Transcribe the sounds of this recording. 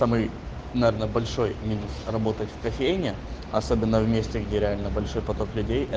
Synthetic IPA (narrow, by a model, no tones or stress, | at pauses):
samɨj | nɐvʲernəbɐlʲʂo̞jmʲinʲʊsrɐbo̞t̪ətʲfkɐfʲejnʲɪ | ɐso̞bʲɪnːəvmʲesʲtʲɪɡdʲeɾʲɪalʲnəbɐlʲʂo̞jpɐt̪o̞klʲʉdʲejɛ